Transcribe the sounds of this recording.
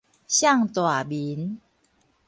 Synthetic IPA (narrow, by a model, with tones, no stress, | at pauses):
ɕja˥˨ŋt̪wa˨˩bi˨˦n